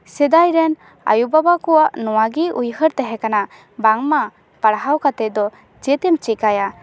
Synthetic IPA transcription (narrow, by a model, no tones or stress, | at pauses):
sɛd̪ajɾɛn | a̰jubabakɔwaʔnɔwaɡiujhəɾt̪ɛɦɛ̃kana | baŋma | paɽɦawkat̪ɛd̪ɔ | d͡ʒɛt̪ɛmt͡ʃikaja